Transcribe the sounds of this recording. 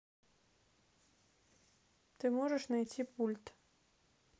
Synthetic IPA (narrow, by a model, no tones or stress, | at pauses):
t̪ɨmɔʐɛʂnajt͡sʲipulʲt̪